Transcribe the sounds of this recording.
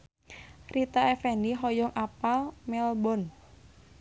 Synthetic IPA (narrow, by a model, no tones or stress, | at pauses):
rit̪aɛfɛniɦɔjɔŋʔapalmɛlbɔn